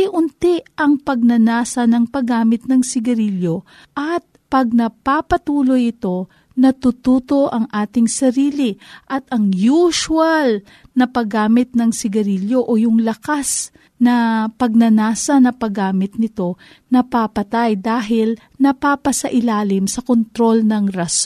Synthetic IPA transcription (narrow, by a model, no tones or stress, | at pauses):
ɪʔʊnt̪ɪʔɐŋpɐɡ̚nɐnaːsɐnɐŋpɐɡaːmɪt̪̚nɐŋsɪɡɐɾiljo̞ | ʔɐt̪̚pɐɡ̚nɐpapɐt̪uːlojɪt̪o̞ | nɐt̪ut̪uːt̪o̞ʔɐŋʔaːt̪ɪŋsɐɾiːlɪʔɐt̪ɐŋjuːʃwɐl | nɐpɐɡaːmɪt̪̚nɐŋsɪɡɐɾiljo̞ʔojʊŋlɐkas | nɐpɐɡ̚nɐnaːsɐnɐpɐɡaːmɪt̪̚nɪt̪o̞ | nɐpapɐt̪ajd̪aːɦɪl | nɐpaːpɐsɐʔɪlaːlɪmsɐkont̪ɾo̞lnɐŋɾɐs